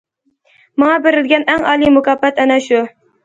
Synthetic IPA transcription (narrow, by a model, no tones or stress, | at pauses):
mɑŋɑbɪɾɪld̪ɡʲɛnæŋɑːlˠimʊkɑbɛt̪ænɛʃu